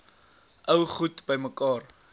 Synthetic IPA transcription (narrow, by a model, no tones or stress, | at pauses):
ʔəwχutbəjməkɑːr